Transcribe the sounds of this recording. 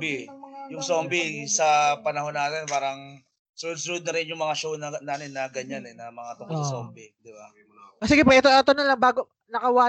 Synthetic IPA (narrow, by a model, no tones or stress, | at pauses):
bɪjʊŋsoːmbɪsɐpɐnɐho̞nːaːt̪ɪnpaːɾɐŋ | sʊnod̪̚sʊnod̪̚nɐɾɪnjʊŋmɐŋaʃownɐnaːnɪnːɐɡɐɲanɛnɐmɐŋat̪ʊŋkoso̰mbɪd̪ɪba | ʔosɪɡɛpɛʔɛt̪oʔɛt̪onɐlɐŋbaːɡo | nɐkɐwaː